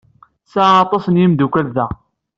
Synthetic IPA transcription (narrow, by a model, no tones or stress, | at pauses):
saɑt̪ˤɑsənjimd̪ukʷælðæ